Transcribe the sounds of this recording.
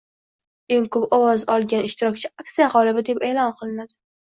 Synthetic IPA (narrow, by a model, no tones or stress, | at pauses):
e̞ŋkʰopɒwɒzɒlˠɡʲanɪʃt̪ɪɾɒkʲt͡ʃʰɪaksijaʁɒlˠɪbɪd̪e̞pe̞ːlˠɒnqʰɨlˠɪnad̪ɪ